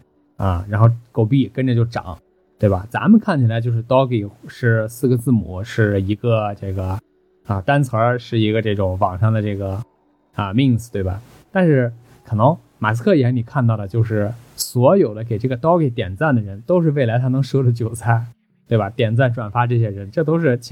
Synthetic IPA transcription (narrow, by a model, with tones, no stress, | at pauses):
ə˧˩ɻa˧˥nxo˥˩ʊko˥˩ʊpi˥˩kə˥nʈ͡ʂə˧t͡ɕjo˥˩ʊʈ͡ʂɑ̰˨˩˦ŋ | t̪we˥˩ɪbɐ˩t͡sa̰˧˥mə˨˧kʰa˥˩nt͡ɕʰi˩la˧˥ɪt͡ɕjo˥˧ʊʂ̬ɻ̩˥˩t̪ɑ˥ʊke˨˩ʂɻ̩˥˩sɹ̩˥˩ɡə˧t͡sɹ̩˥˩mṵ˨˧˩ʂɻ̩˥˩i˧˥ɡə˧ʈ͡ʂɤ˥˩ɡə˩ | ə˧t̪a˥nt͡sʰə˞˧˥ʂɻ̩˥˩i˧˥ɡə˧ʈ͡ʂɤ˥˩ʈ͡ʂʊ˧˥ŋwɑ˨˩ŋʂɑ˥˩ŋd̪ə˩ʈ͡ʂɤ˥˩ɡə˩ | ə˧mi˥˩ŋd͡z̩˩t̪we˥˩ɪa̰˩ | t̪a˥˧nʂɻ̩˥˩ | kʰɤ˨˩nɤ˧˥ŋ | ma̰˨˩s̬ʰɹ̩˧˥kʰɤ˥˩i˧˥˩ni˨˩kʰa˥˧nt̪ɑ˥˩ʊd̪ə˩t͡ɕjo˥˧ʊʂɻ̩˥˩swɔ˧˥jo˨˩ʊd̪ə˦ke˨˩ɪʈ͡ʂɤ˥˩ɡə˩t̪ɑ˥ʊke˨˩ɪt̪jɛ˨˩nt͡sa˥˩nd̪ə˩ɻə˧˥nt̪o˥ʊʂɻ̩˥˧we˥˩ɪla˧˥ɪt̪ʰa˥nɤ˧˥ŋʂwɔ˥də˧t͡ɕjo˨˩ʊsʰa˥˩ɪ | t̪we˥˩ɪba˨˩t̪jɛ˨˩nt͡sa˥˩nʈ͡ʂwa˨˩nfa˧˥ʈ͡ʂɤ˥˩ɕ̬jɛ˥ɻə˧˥nʈ͡ʂɤ˥˩t̪̬o˥ʊʂ̬ɻ̩˥˩t͡ɕʰ